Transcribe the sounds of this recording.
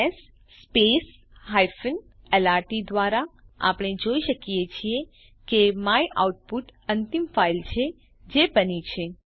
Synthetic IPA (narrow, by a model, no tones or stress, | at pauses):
esː | pes | ɦajfən | elaɾʈid̪ʋaɾaa̰pɽ̃ed͡ʒoiʃəkijet͡ʃʰie | kemajʔa̰wuʈ̚puʈənt̪imfailt͡ʃʰe | d͡ʒebənit͡ʃʰe